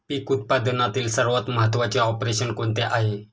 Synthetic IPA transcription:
pikut̪̚pad̪nat̪iːlsəɾʋət̪məɦət̪ʋat͡ɕeɔpɾeɕənkoɳt̪eʔaɦe

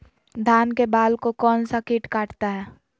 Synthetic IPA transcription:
d̪ʱaːnkebaːlkokɔːnsakɪʈkaːʈt̪aɦɛː

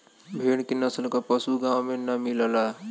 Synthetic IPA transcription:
bʱeːɽkinɐsəlkapəsuɡãːwmẽnɐmiləlaː

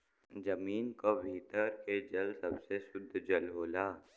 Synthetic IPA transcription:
d͡ʒɐmiːnkobʱiːt̪əɾked͡ʒəlsɐbsesʊd̪ʱːd͡ʒəlɦoːlaː

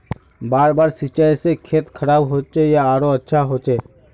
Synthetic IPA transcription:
baːɾbaːɾsit͡ʃajsekʰeːt̪kʰəɾaːbɦoːt͡ʃejaaːɾoɐtːʃʰaɦoːt͡ʃeː

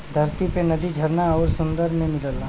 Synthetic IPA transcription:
d̪ʱɐɾt̪ipenɐd̪id͡ʒʱɐɾnaɔːɾsʊ̃nd̪əɾmẽmɪləlaː

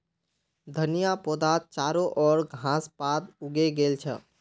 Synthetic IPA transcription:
d̪ʱənijapod̪at̪̚t͡ʃaɾoʔɔːɾɡʱãspat̪uɡeɡelt͡ʃʰə̰

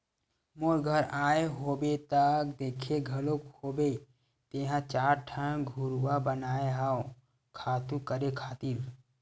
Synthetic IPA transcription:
moɾɡʱəɾaːeɦoːbet̪akd̪eːkʰeɡʱɐlokhoːbe | t̪eːɦãt͡ʃaːɾʈʰə̃ɡʱʊɾwabənaːeɦaːo | kʰaːt̪ũkəɾekʰaːt̪iɾ

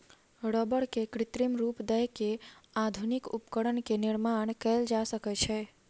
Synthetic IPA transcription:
ɽɔbəɽkekɾit̪ɾimɾupd̪əjkead̪ʱunikṵpkəɽənkeniɾmaɳ̃kɛld͡ʒasəkɛt͡ʃʰɛ

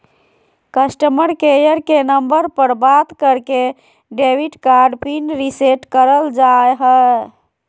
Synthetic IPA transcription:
kəsʈəməɾkejəɾkenəmbəɾpəɾbat̪kəɾke | ɖewiʈkaɾɖpinɖɾiseʈkəɾəld͡ʒaeɦə

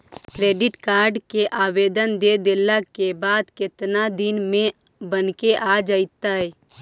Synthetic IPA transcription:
kɾeːɖɪʈkaːɾɖkeʔaːʋeːd̪ənd̪ed̪elakebaːd̪kɪt̪nad̪ɪnmẽ | bənkeʔad͡ʒaɪt̪ːaɦɛː

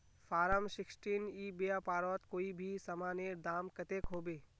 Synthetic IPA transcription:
fʰaːɾəmsɪksʈiːniːbejaːpaːɾɔt̪koːibʱisɐmaːneɾd̪aːmkɐt̪eːkɦoːbeː

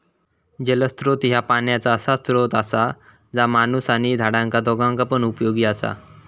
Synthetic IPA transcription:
d͡ʑələst̪ɾot̪ɦjapaɳjat͡saəsast̪ɾot̪asa | d͡zamanusaɽ̃id͡z̪ʱaɽãŋkad̪ɔɡãŋkapəɳupjoɡiːasa̰

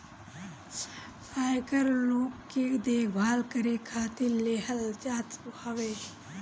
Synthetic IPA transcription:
aːjkəɾloːkːid̪eːkbʱaːlkəɾekʰaːt̪ileːhəld͡ʒaːt̪hɐʋeː

